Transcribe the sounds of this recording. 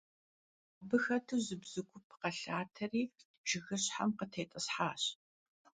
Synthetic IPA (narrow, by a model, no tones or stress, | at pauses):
abɨxɐtʰuwzɨbz̥ɨɡʷʊpʰqɐɬaːtʰɐriː | ʒ̥ɪɣɨɕħa̰mqətʰeːtʼɐsħaːɕ